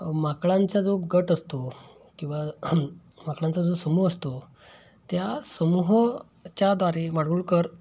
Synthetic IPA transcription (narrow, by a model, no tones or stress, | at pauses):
makɭãnt͡sad͡zoɡəʈəst̪o | kĩw̃ʋa | makɭãnt͡sad͡zosəmuːɦəst̪o | t̪jasəmuɦ | t͡ɕjad̪ʋaɾeʋaɽuːɭkəɾ